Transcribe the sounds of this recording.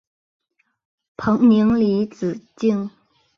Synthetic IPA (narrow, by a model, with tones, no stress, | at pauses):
pʰə˨˥ŋni˩˧˥ŋli˨˦t͡s̩˨˩t͡ɕi˥˨ŋ